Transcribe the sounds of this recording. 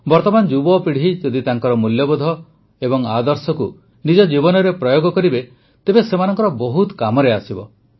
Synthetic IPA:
bɔɾt̪ɔmand͡ʒubɔpiɽ̤id͡ʒɔd̪it̪aŋkɔɾɔmuljɔbod̪ʱɔ | ebɔŋa̰d̪ɔɾsɔku | nid͡ʒɔd͡ʒibɔnɔɾepɾɔjoɡɔkɔɾibe | t̪ebesemanɔŋkɔɾɔbɔɦut̪kamɔɾeasibɔ

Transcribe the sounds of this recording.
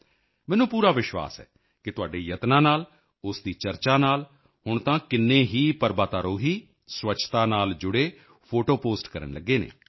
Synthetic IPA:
mɛːnũːpuːɾaːʋɪʃwa̰ːsɦɛ̰ː | kɪt̪ʊaːɖeːjət̪nãːnaːl | ʊsd̪iːt͡ʃəɾt͡ʃaːnaːl | ɦʊɳt̪ãːkɪnːẽːɦiːpəɾbaːt̪aːɾoːɦiː | swət͡ʃʰt̪aːnaːld͡ʒʊɽeː | pʰoːʈoːpoːsʈkəɾə̰ɳləɡːeːnḛː

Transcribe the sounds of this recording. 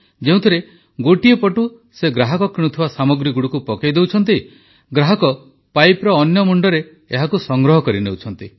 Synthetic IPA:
d͡ʒeũt̪ʰiɾe | ɡoʈiepɔʈu | seɡɾaɦɔkɔkɾiɽ̃ut̪ʰibasamɔɡɾiɡuɽukupɔkajd̪ewt͡ʃʰɔnt̪̬i | ɡɾaɦɔkɔ | pajpɾɔːnjɔmuɳɖɔɾeː | ɦakusɔŋɡɾɔɦɔkɔɾinewt͡ʃʰɔnt̪i

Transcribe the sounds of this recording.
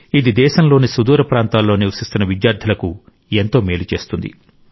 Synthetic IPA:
id̪id̪ɛːʃɐmlo̞ːnisud̪uːɾɐpɾaːnt̪aːlːo̞ːniwɐsist̪unɐʋid̪jaːɾd̪ʱɐlɐku | ent̪o̞ːmeːlut͡ʃe̞ːst̪und̪ḭ

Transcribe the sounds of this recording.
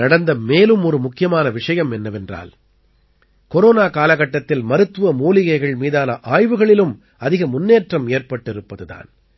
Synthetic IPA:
nɐɽɐnd̪ɐmeːlɯmɔɾɯmʊkːɪjɐmaːnɐʋɪʂɐjɐmɛnːɐʋɛndra̰ːl | kɔɾoːnaːkaːlɐɣɐʈːɐt̪ːɪlmɐɾɯt̪ːʋɯʋɐmoːlɪɣɐɪɣɐɭmiːðaːlɐʔaːjʋɯɣɐɭɪlɯm | ɐðɪɣɐmʊnːeːʈrɐmeːrpɐʈːɪɾɯpːɐðɯða̰ːn

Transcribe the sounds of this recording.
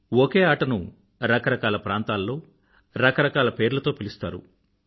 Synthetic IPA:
oke̞ːaːʈɐnṵ | ɾɐkɐɾɐkaːlɐpɾaːnt̪aːlːo̞ː | ɾɐkɐɾɐkaːlɐpe̞ːɾulɐt̪o̞ːpilist̪a̰ːɾṵ

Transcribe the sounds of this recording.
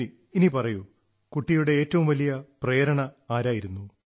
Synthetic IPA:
i | inipɐrɐju | kuʈːijuɽe̞eːtːɐʋumʋɐlijɐpreːɾɐɳɐaːɾaːjiɾunːu

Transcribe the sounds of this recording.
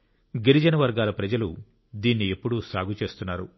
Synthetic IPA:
ɡeɾid͡ʒɐnɐʋɐɾɡaːlɐpɾɐd͡ʒɐlu | d̪iːnːiepːuɽusaːɡʱut͡ʃe̞ːst̪unːaːɾu

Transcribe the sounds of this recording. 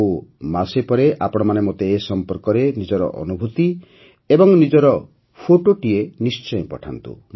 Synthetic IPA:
umasepɔɾeʔapɔɽ̃ɔmanemot̪eːsɔmpɔɾkɔɾenid͡ʒɔɾɔ̰ʔɔ̰nubʱut̪i | ebɔŋnid͡ʒɔɾɔ | pʰoʈoʈienist͡ʃɔjpɔʈʰa̰nt̪ṵ

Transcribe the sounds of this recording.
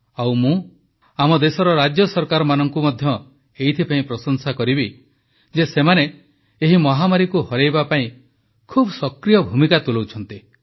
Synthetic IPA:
awmũ | amɔd̪esɔɾɔɾad͡ʒjɔsɔɾkaɾɔmanɔŋkumɔd̪ʱjɔ | eit̪ʰipaĩpɾɔsɔnsakɔɾibi | d͡ʒesemane | eɦimɔɦamaɾikuhɔɾejbapaĩ | kʰubsɔkɾijɔbʱumikat̪ulowt͡ʃʰɔnt̪i

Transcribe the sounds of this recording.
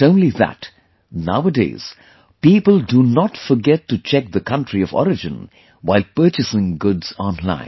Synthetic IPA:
õʊ̃nliðæ̰t | naʊwədḛɪz̥ | piːpəlˠdunɔtfɔ˞ɡɛtːut͡ʃʰɛk̚ðəkʰʌ̃ntɹiɔvɔ̰ɾɨd͡ʒɨ̰̃n | waɪlˠpɜ˞t͡ʃɨsɪ̃ŋɡʊdz̥ɔ̃nlã̰ɪ̃n

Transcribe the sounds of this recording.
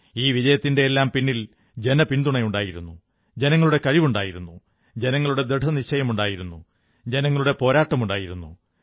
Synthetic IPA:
iːʋid͡ʑɐjɐt̪ːinde̞ːlːaːmpinːil | d͡ʑe̞nɐpind̪uɳɐjuɳɖaːjiɾunːu | d͡ʑe̞nɐŋːɐɭuɽe̞kɐɻiʋuɳɖaːjiɾunːu | d͡ʑe̞nɐŋːɐɭuɽe̞d̪eɖʰʱɐniɕɐjɐmuɳɖaːjiɾunːu | d͡ʑe̞nɐŋːɐɭuɽe̞po̞ːɾaːʈːɐmuɳɖaːjiɾunːṵ

